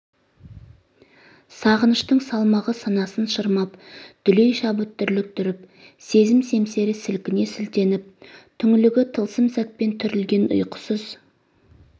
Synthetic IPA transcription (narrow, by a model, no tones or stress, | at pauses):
sɑʁənəʃt̪əɴsɑlˠmɑʁəsɑnɑsənʃəɾmɑpd̪̥ʏlejʃɑbɵt̪ːʏɾlɪk̚t̪ʰʏɾɪp | se̞zɪmse̞mse̞ɾɪsɪlkʲɪne̞sʏlt̪e̞nɪp̚t̪ʰʏŋɪlɪɡʲɪt̪ʰəlˠsəmsæt̪̚pe̞nt̪ʰʏɾɪlɡʲe̞nʊ̰jqə̥səz